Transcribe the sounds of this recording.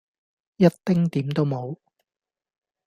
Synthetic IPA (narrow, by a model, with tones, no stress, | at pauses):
jɐ˥t̚t̪ɪ˥ŋt̪iː˨˥mt̪o˥wmo˨˧w